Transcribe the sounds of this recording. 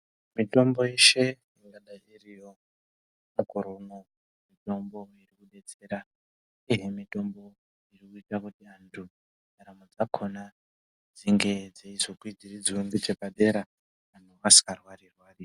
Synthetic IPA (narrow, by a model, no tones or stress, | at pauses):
mito̞mbo̞je̞ʃe̞ | iŋɡaɗairijo̞ | mukoɾono̞ | mito̞mbo̞irikuɗe̞t͡se̞ɾa | ije̞mito̞mbo̞ | irikuitakutiantʰu | naɾamod͡zakʰo̞na | d͡ziŋɡe̞d͡zeizokwid͡zirid͡ziwembit͡ʃepaɗe̞ɾa | anuasi̥karwarirwaːri